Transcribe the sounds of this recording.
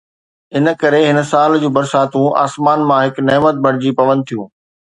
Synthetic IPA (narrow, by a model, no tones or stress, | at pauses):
ɪnə̆kɐɾeɦɪnəsaːld͡ʑuːbɐɾsaːt̪ũʔa̰ːsmaːnmãɦɪknɛːmət̪̚bʱɐɽ̤ɪd͡ʑipɐʋə̃nd̪̚t̪ʰijũː